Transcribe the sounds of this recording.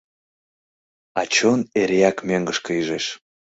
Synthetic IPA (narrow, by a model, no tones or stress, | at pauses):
ɑt͡ɕoneɾeɑkmøŋɡəʃkəyʒeʃ